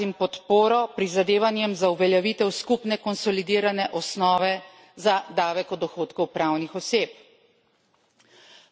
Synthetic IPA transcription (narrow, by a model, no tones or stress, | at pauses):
impɔt̪poːɾɔpɾizad̪eːʋanjɛmzauʋɛljaʋit̪ɛwskupnɛkɔnsɔlid̪iːɾanɛʔɔsnɔːʋɛ | zad̪aːʋɛkɔd̪ɔxoːt̪kɔwpɾaːwnixɔseːp̚